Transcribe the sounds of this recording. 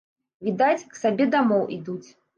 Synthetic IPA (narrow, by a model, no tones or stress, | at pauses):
vʲid̪at͡sʲksabʲɛd̪amɔwʔid̪ut͡sʲ